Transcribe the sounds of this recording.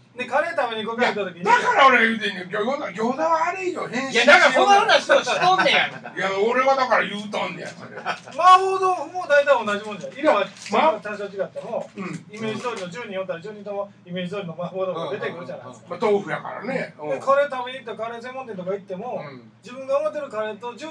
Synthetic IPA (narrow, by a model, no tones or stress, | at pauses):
d̪ekaɾe̞t̪aβeɲ̟ikokʲeit̪at̪o̞kʲiɲʲd̪akaɾaoɾemit̪ẽŋkekʲojoaɡʲoːd̪aaːɾɯijohẽɰ̃ɕd̪akaoaanaɕit̪oɕt̪õnd̪ẽjaoɾe̞βad̪akaɾajɯːt̪ãnd̪ḛa̰eɾ | maɸoːd̪oɸɯmod̪ait̪aionːaʑimonoaimamamaat̪aɕot͡ɕiɡat̪ːemo̞imeːd͡ʑʑid̪oːɾʲiod͡ʑɨːɲ̟ĩjot̪ːaɾad͡ʑɨːɲĩt̪oma | ime̞ːd͡ʑid̪oːɾimomaɸoːd̪omod̪e̞t̪e̞kɯɾɯ̟d͡ʑana̰mat̪oːɸɯ̟ja̰ka̰ɾa̰neekaɾet̪abʲiɲʲit̪okaɾes̬ẽ̞mːõnt̪ent̪okait̪ːe̞mo̞ | d͡ʑibɯ̟̃ŋɡaomat̪̬ːeɾɯ̟kaɾet̪o̞d͡ʑ